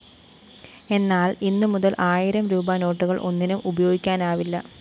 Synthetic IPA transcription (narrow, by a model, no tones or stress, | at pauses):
e̞nːaːlinːɨmuðɐlʔaːjiɾɐmɾuːbaːno̞ːʈːuɣɐɭʔo̞nːinumʔubɐjoːɡikʲːaːnaːʋilːɐ